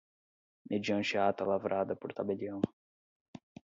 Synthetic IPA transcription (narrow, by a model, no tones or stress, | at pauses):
mʔed͡ʒiɐ̃nʃeat̪ɐlavɾʔad̪ɐpoɾt̪abeʎiɐ̃w̃